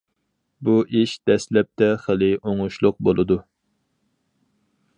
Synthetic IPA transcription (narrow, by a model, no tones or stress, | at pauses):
buʔiʃd̪̥ɛslɛp̚t̪ʰɛχəlˠɪoŋʊʃlˠʊq̚bolˠɨd̪u